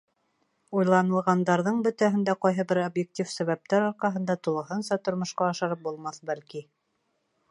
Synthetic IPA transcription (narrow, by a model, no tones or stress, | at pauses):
ujlˠɑnɤ̆lˠʁɑnd̪ɑɾðɤɴbɵ̆t̪æɦɘ̆nd̪æqɑjɦɤbɘɾobjek̚tʲifsæβæp̚t̪æɾoɾqɑɦɤ̆nd̪ɑt̪ulˠɤ̆ɦɤnsɑt̪ŏɾmŏʃqɑːʃɑɾɤp̚bulˠmɑθbælki